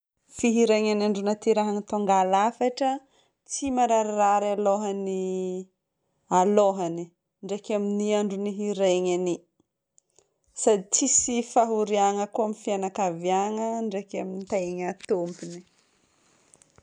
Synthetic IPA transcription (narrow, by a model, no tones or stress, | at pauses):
fiɦiɾeɲanaɳɖ͡ʐunat̪iɾaɦanit̪oŋɡalafaʈ͡ʂə | t͡simaɾaɾaraɾaloɦani | aloɦani | ɳɖ͡ʐekaminiaɳɖ͡ʐuniɦiɾeɲani | sad̪it͡sisifaɦuɾiaŋəkuamifianakaviaŋəɳɖ͡ʐekaminit̪aɲat̪umpini